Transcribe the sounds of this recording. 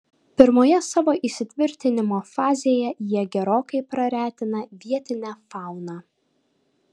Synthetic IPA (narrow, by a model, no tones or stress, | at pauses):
pʲɪɾmoːjɛsɑːʋoːʔisʲɪt̪ʲʋʲɪɾʲt̪ʲɪnʲɪmoːfɑːzʲejɛjiɛɡʲɛɾoːkɐɪpɾɐɾʲæːt̪ʲɪnɐʋʲiɛt̪ʲɪnʲæːfɑˑʊnɑː